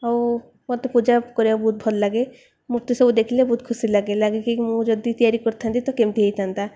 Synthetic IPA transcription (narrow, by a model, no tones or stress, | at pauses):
aw | mɔɾt̪epud͡ʒakɔɾijabuːt̪̚bʱɔllaɡe | muɾt̪isɔbud̪ekʰilebuːt̪kʰusilaɡelaɡekimũd͡ʒɔd̪it̪ijaɾikɔɾt̪ʰant̪it̪ɔkemt̪iɦejt̪ʰant̪a